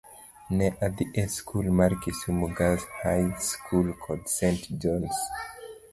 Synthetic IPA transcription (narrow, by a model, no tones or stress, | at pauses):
nɛʔad̪iʔɛskʰulmaɹkisumuɡalshajskʰulkʰɔdsɛ̃ntd͡ʒɔ̃ns